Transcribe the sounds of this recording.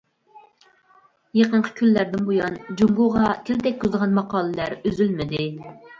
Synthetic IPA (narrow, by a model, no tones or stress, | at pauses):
jeqəɴqʰə̥kʲʰylːæɾd̪ɪnbojɑnd͡ʒuŋɡoʁɑkʲʰelt̪ɛk̚ʲk̪uzəʁɑnmɑqɑːlˠɨlæɾøzylmɪd̪ɪ